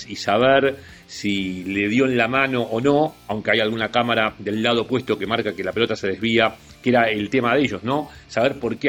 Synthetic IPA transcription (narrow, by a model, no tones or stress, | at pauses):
isaβeɾ | sileðjo̞enlamano̞ʔːno̞awŋkeajalɣunakamaɾaðe̞lːað̞o̞pwe̞st̪o̞ke̞maɾkake̞lapeot̪aseð̞e̞zβ̞ia | keɾaelt̪e̞maðeʒo̞zno̞saβeɾpo̞ɾke